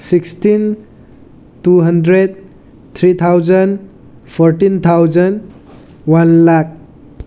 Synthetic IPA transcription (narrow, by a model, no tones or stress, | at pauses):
sikstin | tuɦʌndɾed̚ | t̪ʰɾit̪ʰawd͡ʒʌn | pʰɔɾʈint̪ʰawd͡ʒən | wanlak̚